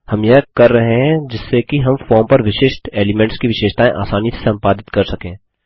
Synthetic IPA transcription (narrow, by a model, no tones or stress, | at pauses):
hɐmjɐɦkɐɾːɐɦẽɦɛ̃d͡ʒɪsːekiɦɐmfɔːɾmpɐɾʋɪʃeːʃʈeːlɪmẽːɳʈskiʋɪʃeːʃt̪aːẽʔa̰ːsaːnjise̥sɐ̃mpaːd̪ɪt̪kɐɾsɐkẽː